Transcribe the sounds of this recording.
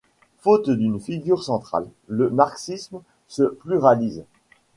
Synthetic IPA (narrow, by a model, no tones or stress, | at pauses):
fot̪d̪ynfiɡʲyʁsɑ̃t̪χa̰lː | əmaʁksism | səplyʁaliz